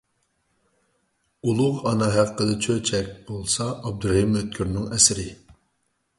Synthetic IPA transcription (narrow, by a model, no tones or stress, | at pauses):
ulˠʊʁɑnɑɦæqqːəd̪ɨt͡ʃʰøt͡ʃʰɛk̚ʲb̥olˠsɑɑb̚d̪uɾhimøt̪̚kʲʰyɾnɪŋɛsɪɾɪ